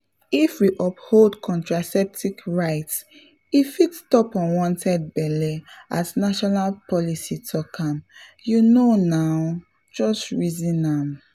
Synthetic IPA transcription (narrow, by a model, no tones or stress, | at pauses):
ifwiʔɔpholdkʰɔ̃ntɹasɛp̚tikɹaɪts | ifitstɔpɔ̃nwɔ̃ntʰɛd̚bɛlɛatnaʃɔnalpʰɔlisitʰɔkʰãmjunonaʊ | d͡ʒɔstɹizĩnam